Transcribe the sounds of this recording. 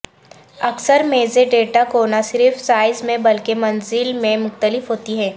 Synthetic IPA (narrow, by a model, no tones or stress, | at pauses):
ɐksəɾmeːzeɖeːʈakoːnasɪɾfsaːɪzmẽbɐlkemɐ̃nzɪlmẽmʊxt̪əlɪfɦoːt̪iɦɛː